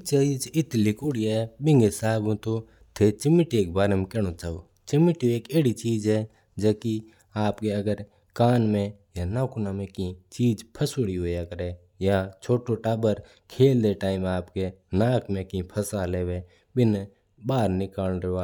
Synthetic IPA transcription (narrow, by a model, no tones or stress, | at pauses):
t͡ʃaːid͡ʒɪt̪likuɽiɛːbɪ̃ŋɡɪsaːbũt̪o | t̪ʰet͡ʃɪmɪʈieːk̚baːɾemẽkeːɽ̃ot͡ʃaːoː | t͡ʃɪmɪʈieːkeːɽit͡ʃiːd͡ʒɦɛ | d͡ʒəki | aːpkeɐɡəɾ | kaːnmẽ | janaːkunamẽkĩt͡ʃiːd͡ʒpʰəsoːɽiɦoːeəɡəɾe | jat͡ʃʰoːʈoʈaːbəɾ | kʰeːld̪eʈaːɪmaːpkenaːkʰmẽkĩpʰɐsaleːʋe | bɪn | baːɾnɪkaːlɾeaː